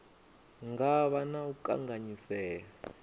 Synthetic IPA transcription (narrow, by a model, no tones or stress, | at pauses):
ŋɡaɓanauka̰ŋaɲisɛːka